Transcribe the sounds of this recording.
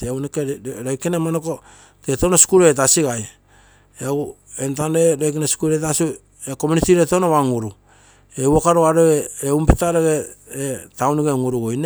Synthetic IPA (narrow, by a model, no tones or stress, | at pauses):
ewnekeɾojkenemanoko | tetonosi̥kuɾet̬asiɡaj | eau | entaneɾojk̬enasi̥kuɾetasu | ekomunitiɾetonoβaŋuɾu | ewokaɾoaɾoeeumpitaɾeɡeetawnuɡeŋuɾuɡojne